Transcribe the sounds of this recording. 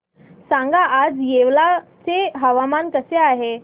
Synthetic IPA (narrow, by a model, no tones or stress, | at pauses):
sãŋɡaʔad͡zjeʋlat͡seɦəʋamankəseaɦe